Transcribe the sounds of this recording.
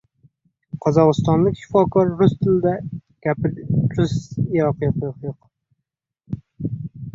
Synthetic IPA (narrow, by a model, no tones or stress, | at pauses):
qʰɒzɒʁɨst̪ɒnlˠɪkʲʃɪ̥fɒkʰɒɾːʊst̪ʰɪlɪd̪aɡ̥ʲapɪɾt͡ʃʊsjɒqjoqjoqjoq